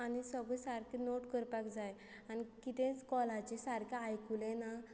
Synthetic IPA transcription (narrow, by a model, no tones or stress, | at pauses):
anisəɡɭẽsaɾkʰẽnoʈkəɾpakd͡zaj | anikit̪ẽt͡skɔlat͡ɕesaɾkaajkulɛ̃na